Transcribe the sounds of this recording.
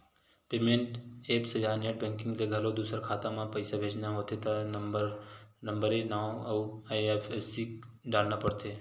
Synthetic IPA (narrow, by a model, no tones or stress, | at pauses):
peːmẽɳʈeːpsed͡ʒaːneʈ̚bɛ̃ŋkɪ̃ŋɡleɡʱəlod̪uːsəɾkʰaːt̪ãmãpəɪsabʱeːd͡ʒnaɦoːt̪ʰet̪aɾnəmbəɾenaːõɐuefʰesi | ɖaːɽnapəɽt̪ʰeː